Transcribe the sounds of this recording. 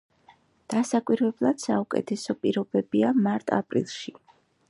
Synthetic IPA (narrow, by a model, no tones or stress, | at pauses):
d̪̥asakʼwiɾvɛblˠad̪̥saukʼɛ̰t̪ʰɛsɔpʼiɾɔbɛbiamaɾt̪ʼa̰pʼɾḭlˠʃi